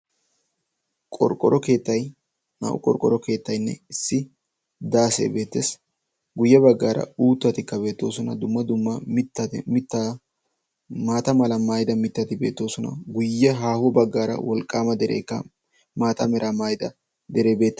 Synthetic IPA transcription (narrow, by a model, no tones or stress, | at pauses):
kʼɔ̰ɾkʼɔɾɔkeːt̪ːɐj | na̰ʔʊ̰kʼɔ̰ɾkʼɔɾɔke̞ːt̪ːɐjnːɛ̰ɪsːɪ | d̪aːsḛːbe̞ːt̪ːeːs | ɡʊjːɛbɐɡːaːɾɐ̰uːt̪ːɐt̪ɪkːɐbe̞ːt̪ːo̞ːsɔnɐ̰d̪ʊmːɐd̪ʊmːɐmɪt̪ːɐt̪mɪt̪ːɐ | maːt̪ɐmɐlɐmaːjd̪ɐmɪt̪ːɐt̪ɪbeːt̪ːo̞ːsɔnɐ̰ɡʊjːɛɦaːhɔbɐɡːaːɾɐ̰wɔlkʼaːmɐd̪ɛɾḛːkːɐ | maːt̪ɐmɛɾʔamajd̪ɐ | d̪ɛɾe̞ːbeːt̪ːɐ